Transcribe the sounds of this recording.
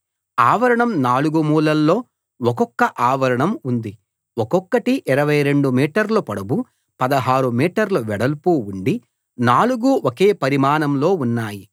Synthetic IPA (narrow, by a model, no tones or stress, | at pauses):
aːʋɐɾɐɳɐmnaːluɡumuːlɐlːo̞ː | ɔkɔkːɐʔaːʋɐɾɐɳɐmund̪i | ɔkɔkːɐʈiʔiɾɐʋɐjɾe̞ɳɖumiːʈɐɾlupɐɽɐbu | pɐd̪ɐɦaːɾumiːʈɐɾluʋɛɽɐlpuːuɳɖi | naːluɡuʔokeːpɐɾimaːnɐmlo̞ːunːaːji